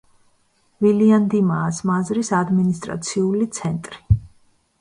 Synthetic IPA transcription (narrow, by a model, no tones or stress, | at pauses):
viliand̪imaːsmazɾisad̪minist̪ʼɾa̰t̪sʰiulit̪sʰɛnt̪ʼɾi